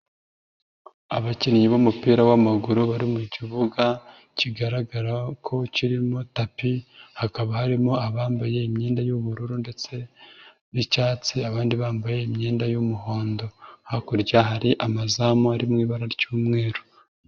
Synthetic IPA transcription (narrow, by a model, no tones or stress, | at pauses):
aβaciniɲiβomupiːɾawamaɡuɾuβaɾimuɟiβuɡa | ciɡaɾaɡaɾakʰo̞ciɾimo̞tapihakaβahaɾimoaβaːmbaje̞imɲeːndajuβuɾuɾunde̞t͡se̞ | βicaːt͡siaβaːndiβaːmbaje̞imɲeːndajumuɦoːndo̞hakuɾɟaɦaɾiʔamazamoaɾimŋiːβaɾaɾɟuːmŋe̞ːɾo